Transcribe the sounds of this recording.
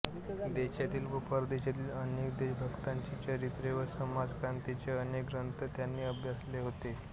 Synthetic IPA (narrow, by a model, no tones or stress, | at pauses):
d̪eɕat̪iːlbupəɾd̪eɕat̪iːlənekd̪ebʱəɡt̪aɲt͡ɕit͡ɕəɾit̪ɾeʋəɾsəmad͡zkɾant̪it͡seənekɡɾənt̪ət̪janːiːəbʱjasleɦot̪e